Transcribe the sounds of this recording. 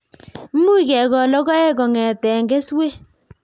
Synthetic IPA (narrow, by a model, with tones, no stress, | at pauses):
m̩˦mu˦i˨kɛ˨ɡɔ˨lɔ˦ɡɔ˦ɛ˦ɡɔ˨ŋɛ˨tɛ˨ŋɡe˦swe˦